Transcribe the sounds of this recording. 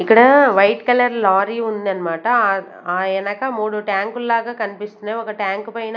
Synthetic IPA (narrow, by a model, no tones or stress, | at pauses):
ɪkːɐɽɐʋɐɪʈkɐlɐɾlaːɾiʊnd̪ɐnmaːʈːã | aːɛnɐkːaːmuːɽuʈaːŋkɯlːaːɣɐkɐnpɪstɯneɔŋɡɐʈaːŋkɯpɐːjɐna